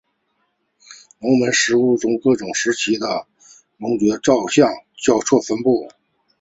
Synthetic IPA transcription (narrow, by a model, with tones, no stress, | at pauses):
nʊ˧˥ʊmə˧˥nʂɻ̩˧˥u˥˩ʈ͡ʂʊ˥ŋkɤ˥˩ʈ͡ʂʊ˨˩ŋʂɻ̩˧˥t͡ɕʰi˧˥d̪ə˧˨ | mʊ˧˥ŋt͡ɕɥɛ˧˥ʈ͡ʂɑ˥˧ʊɕjɑ˥˩ŋt͡ɕjɑ˥˧ʊt͡sʰwɔ˥˩fə˥npu˥˩